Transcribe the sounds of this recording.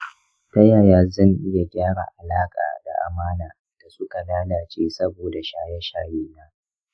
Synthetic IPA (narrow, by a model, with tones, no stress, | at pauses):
tɐ˦jaː˨jaː˨zɐ˦˨ŋʔɪ˦ja˨ɡʲaː˦ɽa̰˨ʔa˨laː˦kʼa̰ː˨da̰˨ʔa̰˨maː˦naː˨ | d̥a˨sʊ˦ka˨laː˦laː˨t͡ʃʼeː˦sɐ˦boː˨da˨ʃaː˦jɛ˦ʃaː˦jeː˦naː˦